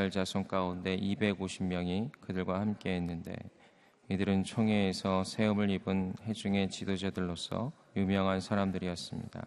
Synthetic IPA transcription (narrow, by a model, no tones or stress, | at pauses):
aɭd͡ʑasʰoŋk͈aunde̞ʔibe̞ɡoɕʰimːjʌŋikɯdɯɭɡwahamk͈e̞ɦenːɯnde̞̰ | idɯɾɯnt͡ɕʰoŋeːsʰʌsʰe̞ɯmɯɾibɯnhe̞d͡ʑuŋe̞t͡ɕidod͡ʑadɯɭːos͈ʰʌ̰ | jumjʌŋɦansʰaɾamdɯɾiʌs͈ɯmɲḭda̰